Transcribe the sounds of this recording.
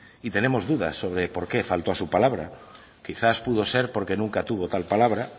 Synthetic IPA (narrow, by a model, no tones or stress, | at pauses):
it̪e̞ne̞mo̞zðuða̰sːo̞β̞ɾepo̞ɾkefalt̪oasupalaβɾa̰ | kiθaspuð̞o̞se̞ɾpo̞ɾke̞nũŋkat̪uβo̞t̪alpalaβ̞ɾa